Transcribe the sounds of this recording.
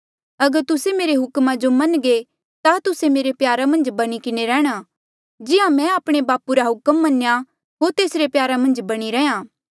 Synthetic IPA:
ɐɡəɾt̪ʊsemeːɾeɦʊkmad͡ʒomɐnɡe | t̪at̪ʊsemeːɾepjaːɾamɐ̃nd͡ʒbɐɽ̃ikɪneɾɛːɽ̃a | d͡ʒɪãmɛ̃aːpɽ̃ebaːpuɾaɦʊkəmːɐnja | ɦoːɾt̪eːsɾepjaːɾamɐ̃nd͡ʒbɐɽ̃iɾɛjãː

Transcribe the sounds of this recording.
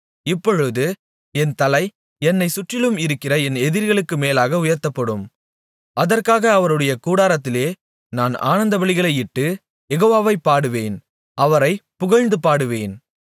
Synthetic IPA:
ɪpːɔɻɯðɯ | ɛnt̪ɐlɐɪ | ɛnːɐɪsʊʈrɪlɯmɪɾɯkːɪrɐɛnɛðɪɾɣɐɭɯkːɯmeːlaːɣɐʊjɐɾt̪ːɐpːɐɽɯm | ɐðɐrkaːɣɐːʋɐɾɯɽɐjɐkuːɽaːɾɐt̪ːɪleː | naːna̰ːnɐnd̪ɐbɐɭɪɣɐɭɐɪɪʈːɯ | jɛɣoːʋaːʋɐɪpːaːɽɯʋeːn | ʔɐʋɐɾɐɪpʊɣɐɻnd̪ɯpaːɽɯʋeːn

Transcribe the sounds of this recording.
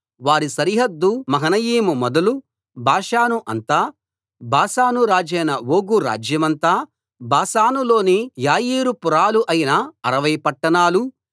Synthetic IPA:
ʋaːɾisɐɾiɦɐd̪ːumɐɦɐnɐjiːmumɔd̪ɐlu | bʱaːʂaːnuʔɐnt̪aː | bʱaːsaːnuɾaːd͡ʒɛːnɐʋoːɡuɾa̰ːd͡ʒjɐmɐnt̪aː | bʱaːsaːnulo̞ːnijaːjiːɾupuɾaːluʔɐjinɐɐɾɐʋɐjpɐʈːɐnaːlu

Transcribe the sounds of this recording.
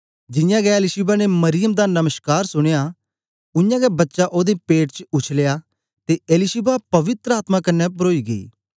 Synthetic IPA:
d͡ʒɪjãːɡɛeːlɪʃɪbaːneːməɾɪjəmd̪aːnəməʃkaːɾsʊɽ̃jaː | ʊjãːɡɛbətːʃaʔoːd̪epeːʈt͡ʃʊt͡ʃʰlejaː | t̪eːʔeːlɪʃɪbapɐʋɪt̪ɾəaːt̪mãːkɐnːɛbɾoːiːɡəḭː

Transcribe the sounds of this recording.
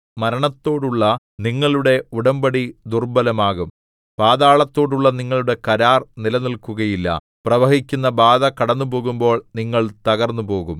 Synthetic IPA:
mɐɾɐɳɐt̪ːo̞ːɽuɭːɐ | niŋːɐɭuɽe̞uɽɐmbɐɽid̪urbɐlɐmaːɣum | b̥aːðaːɭɐt̪ːo̞ːɽuɭːɐniŋːɐɭuɽe̞kɐɾaːrnilɐnilkuɣɐjilːɐ̰ | prɐʋɐɦikʲːunːɐbaːd̪ɐkɐɽɐnːupo̞ːɣumbo̞ːɭniŋːɐɭt̪ɐɣɐrnːupo̞ːɣum

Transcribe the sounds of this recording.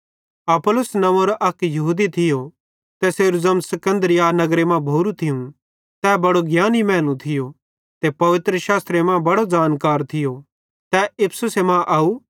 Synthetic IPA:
ɐpolʊsnɐʋõɾoʔɐkjɐɦuːd̪it̪ʰɪjo | t̪ɛseːɾuzɐmsɐkə̃nd̪ɾɪjanɐɡɾemãbʱoːɾut̪ʰɪjũ | t̪ɛːbɐɽoɡjaːnimɛ̃ːlũt̪ʰɪjo | t̪ɛpɐʋɪt̪ɾəʃaːst̪ɾemãbɐɽod͡ʒaːnkaːɾt̪ʰɪjo | t̪ɛɪpʰsʊsemãʔɐːuː

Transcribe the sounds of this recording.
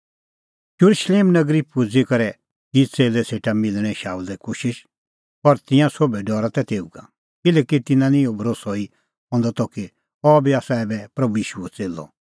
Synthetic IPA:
jʊɾuʃleːmnɐɡɾipʊd͡zekɐɾɛ | d͡ʒit͡seːlɛseːʈamɪlɽ̃ɛ̃ʃaːuld̪ɛkoːʃɪʃ | pɐɾt̪ɪ̃jãsobɛɖɔːɾat̪ɛt̪eːuɡa̰ | kɪlɛːkit̪ɪnãnĩobʱɐɾoːsɔi | ɦɔ̃nd̪ɔt̪ɔki | ɔbiaːsaɛːbɛpɾɐbujiːʃuɛt͡seːlɔ̰

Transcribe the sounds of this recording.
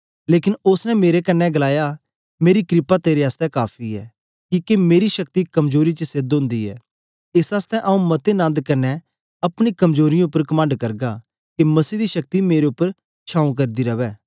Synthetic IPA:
leːkɪnʊsnɛmeːɾekɐnːɛɡɐlaːja | meːɾikɾɪpat̪eːɾeaːst̪ɛkaːpʰiɛ̰ː | kikemeːɾiʃɐk̚t̪ikɐmzoːɾit͡ʃəsed̪ɦõːnd̪iɛ̰ː | ɪsaːst̪ɛʔaːũmɐt̪enãːnd̪kɐnːɛ | ɐpɽ̃ikɐmzoːɾɪjãʊpːəɾkɐmãːɳɖkɐɾɡa | kimɐsiːd̪iʃɐk̚t̪imeːɾeʊpːəɾ | t͡ʃʰaːũk̬ɐɾd̪iɾɐʋɛː

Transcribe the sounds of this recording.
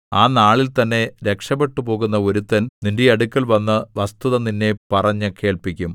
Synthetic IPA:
aːnaːɭilt̪ɐnːe̞ɾe̞kʂɐpe̞ʈːupo̞ːɣunːɐo̞ɾut̪ːɐnnindeɐɽukʲːɐlʋɐnːɐʋɐst̪uðɐninːe̞pɐrɐɲːɨkʰe̞ːɭpikʲːum

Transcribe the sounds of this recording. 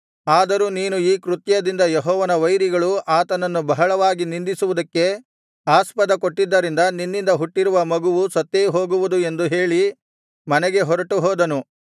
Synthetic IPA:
aːd̪ɐɾuːniːnuiːkɾut̪jɐd̪ind̪ɐjɛɦɔːʋɐnɐʋɐjɾiɡɐɭuʔaːt̪ɐnɐnːubɐɦɐɭɐʋaːɡinind̪isuʋud̪ɐkːe̞ | aːspɐd̪ɐkoʈːid̪ːɐɾind̪ɐninːind̪ɐɦuʈːiɾuʋɐmɐɡuʋusɐt̪ːeɦo̞ːɡuʋud̪ue̞nd̪uɦe̞ːɭi | mɐnɛɡe̞ɦɔɾɐʈuɦɔːd̪ɐnu

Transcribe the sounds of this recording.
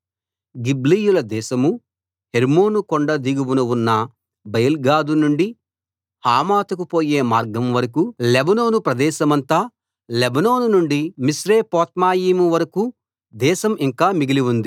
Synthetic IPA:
ɡiblijulɐd̪ɛːʃɐmu | heɾmoːnukoɳɖɐd̪iɡiwunɐwunːɐ | bɐjɐlɡaːd̪unuɳɖi | haːmaːt̪ɐkupo̞ːjeːmaːɾɡɐmʋɐɾɐkulebɐno̞ːnupɾɐd̪ɛːʃɐmɐnt̪aː | lebɐnoːnunuɳɖimisɾeːpɔːt̪maːjiːmuʋɐɾɐku | d̪ɛːʃɐmiŋkaːmiɡiliʋund̪i

